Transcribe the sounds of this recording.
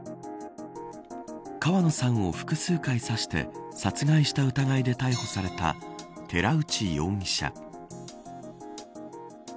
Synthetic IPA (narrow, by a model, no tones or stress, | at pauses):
kaβano̞sãɰ̃o̞ɸɯ̟̥kɯ̟sɨːkaisaɕi̥t̪e̞̰sat͡sɨɡaiɕi̥t̪aɯ̟t̪aɡaid̪e̞t̪aiho̞saɾe̞t̪a̰t̪ʰe̞ɾaɯ̟t͡ɕijo̞ːɲʲiɕa̰